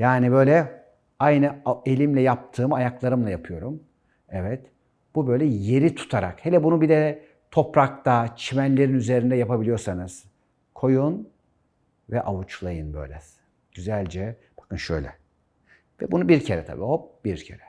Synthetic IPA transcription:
jaːnibø̞jlʲɛ | ajnɯe̞lʲimlʲɛjap̚t̪ʰɯːmajaklˠaɾɯmlˠajapʰɯjo̞ɾum | ɛvɛt̪ | b̥ubø̞jlʲɛje̞ɾit̪ʰu̥t̪ʰaɾa̰khelʲɛbunubid̪ɛ | t̪ʰo̞pɾak̚t̪ʰat͡ʃʰimænlʲe̞ɾinyze̞ɾind̪ɛjapabilʲijo̞ɾsanɯz̥ | kʰo̞jun | vɛʔavut͡ʃlˠajɯnbø̞̰jlʲɛs | ɟ̥yzælʲd͡ʒɛ | b̥akɯnʃø̰jlʲɛ̰ | vɛbunubiɾcʰeɾɛ̰t̪ʰa̰bḭːobiɾcʰḛɾɛ

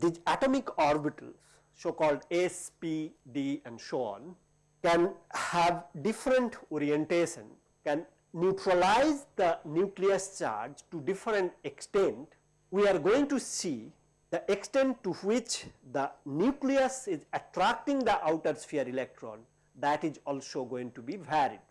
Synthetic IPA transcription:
d̪iæʈomɪkɔːɾbɪʈə̰ls | soːkɔːlɖespiɖiːɛ̃ɳɖsoɔ̰̃ːn | kɛ̃nhæʋɖɪfɾə̃ɳʈɔːɾiẽɳʈeːʃə̰̃n | kɛ̃nː | juːʈɾəlaɪzd̪ənjuːkliəst͡ʃa̰ːɾd͡ʒʈuɖɪfɾə̃ɳʈeksʈẽɳʈ | wiaɾɡoːɪ̃ŋʈusiː | d̪̥əʔeksʈẽɳʈːuwɪt͡ʃd̪ənjuːkliəsɪzəʈɾæk̚ʈɪ̃ŋd̪əʔaʊʈəɾsfeəɾilek̚ʈɾɔ̰̃ːn | d̪æʈɪzɔːlsoːɡoːɪ̃ŋʈubiʋæɾḭɖ̚

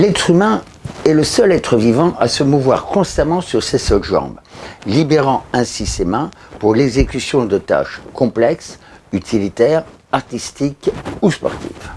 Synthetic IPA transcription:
lɛt̪χymɛ̃ | ɛləsœlɛt̪χəvivɑ̃ʔa̰səmuvwa̰ʁkɔ̃st̪amɑ̃syʁsesœlʒɑ̰̃blibeʁɑ̃ɛ̃sisemɛ̃puʁlɛɡzekʲysjɔ̃d̪ət̪a̰ʃkɔ̃plɛksyt̪ʰilit̪ɛʁ | aʁt̪ist̪ikuspɔ̰ʁt̪ḭf

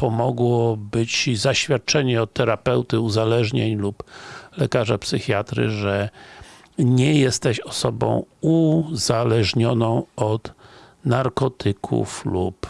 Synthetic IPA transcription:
pɔmɔɡwɔbɘt͡ɕzaɕfʲjat̪̚t͡ʂɛɲɛɔt̪ːɛɾapɛwt̪ɘuzalɛʐɲeɲluplɛkaʐapsɘxʲjat̪ɾɘ̰ʐɛ | ɲɛjɛst̪ɛɕɔsɔbɔ̰̃w̃uzalɛʐɲɔnɔ̃w̃ɔt̪naɾkɔt̪ʰɘkʰṵflup

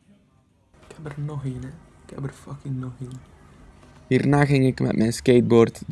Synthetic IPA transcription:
ɪkhɛpərnɔxinə | ɪkhɛ̰bərfʌkɪŋnɔxiːn | hiːrnaːɣɪŋɪkmɛ̰tmɛjnskejt̚boːrt

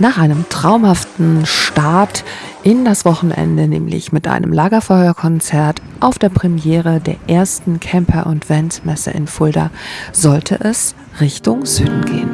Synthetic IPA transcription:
naːχʔaɪnəmtʁ̥aʊmhaftn̩ʃtaɐt | ʔɪndasv̥ɔχn̩ʔɛ̰ndənɛːmlɪ̰çmɪtʔa̰ɪnəmlaːɡɐfɔʏɐkʰɔnt͡sɛɐt | ʔaʊfd̥eːɐpʁ̥ɛmjɛːʁədeːɐʔeːɐstn̩kʰɛmpʰɐʔʊntv̥ɛntmɛsə̰ɪ̰nfʊlda̰z̥ɔltʰə̰ʔɛs | ʁɪçtʊŋz̥yːdn̩ɡeːən

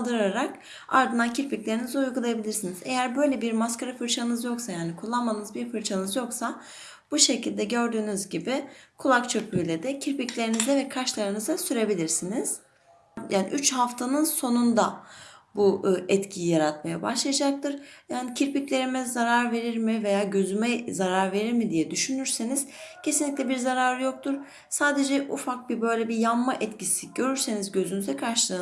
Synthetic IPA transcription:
lˠd̪ɯɾɾaɾak | a̰ɾd̪ɯnd̪ancʰiɾpiclʲe̞ɾinizɛujɡulˠajabilʲiɾsinize̞jæɾbø̞jlʲɛbiɾmaskaɾafɯɾt͡ʃʰanɯzjo̞ksajaːnikʰulˠːamanɯzbiɾfɯɾt͡ʃʰanɯzjo̞ksa | b̥uʃe̞cʰilʲd̪ɛɟø̞ɾd̪yːnyzɟibɪkʰulˠakt͡ʃʰøc̚byjlʲed̪ɛcʰiɾpiclʲe̞ɾinizɛvɛkʰaʃlˠaɾɯnɯzasyɾe̞bilʲiɾsiniz̥ | jaːnḭʔyt͡ʃhaft̪ʰanɯnso̞nund̪abuɛt̪cʰijijaɾat̪̚majabaʃlˠajad͡ʒak̚t̪ʰɯɾ̥jaːnicʰiɾpiclʲe̞ɾimɛzaɾaɾve̞ɾiɾmive̞jaːɟø̞zymɛzaɾaɾve̞ɾiɾmid̪ijɛd̪yʃynyɾseniz̥cʰe̞sinlʲic̪ʲlʲɛbiɾzaɾaːɾɯjo̞k̚t̪ʰuɾ̥ | saːd̪e̞d͡ʒɛʔufak̚bibø̞jlʲɛbijamːaʔɛt̪cisiɟ̥ø̞ɾyɾsenizɟø̞zynyzd̪ɛkʰaɾʃlˠɯː

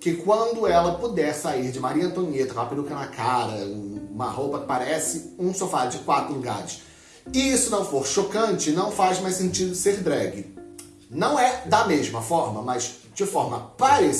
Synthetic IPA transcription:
kɪkwɐ̃nd̪ʊɛlɐpud̪ɛɾsaiɾd͡ʒɪmaɾiɐ̃nt̪õɲet̪ɐkaapɪlukɐ̃ɐkaɾɐũũmɐ̰howpɐkɪ̥paɾɛsɪũsofaɾd͡ʒɪkwat̪ɾʊluɡa̰ɾɪʃ | ɪisʊnɐ̃w̃foɾʃokɐ̃nt͡ʃɪnɐ̃w̃fajzmajsẽnt͡ʃid̪ʊseɾd̪ɾɛɡɪ | nɐ̃w̃ɛd̪ɐmeʒmɐfɔɾmɐmɐzd͡ʒɪfɔɾmɐpaɾes

